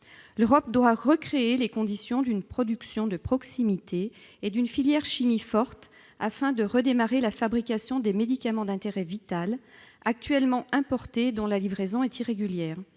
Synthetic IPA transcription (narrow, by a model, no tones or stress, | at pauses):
løʁɔp̚d̪waʁəkχeelekɔ̃d̪isjɔ̃d̪ynpχɔd̪yksjɔ̃d̪əpχɔksimit̪ʰeː | d̪ynfiljɛʁʃimifɔʁt̪ | a̰fɛ̃d̪əʁəd̪emaʁelafabʁikasjɔ̃d̪emed̪ikamɑ̃d̪ɛ̃t̪eʁɛvit̪alak̚t̪ɥɛlmɑ̃ʔɛ̃pɔʁt̪ed̪ɔ̃lalivʁezɔ̃ɛt̪iʁeɡʲyljɛːʁ